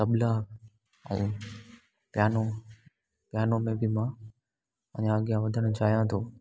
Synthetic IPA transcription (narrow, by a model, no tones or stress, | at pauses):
t̪ɐblaːk | ɛ̰̃ː | pjaːno | pjaːnomẽbʱɪmã | ɐ̰̃ɲãəɡijãʋɐd̪ʱəɽ̃t͡ɕʰaːɦijãt̪ʰoː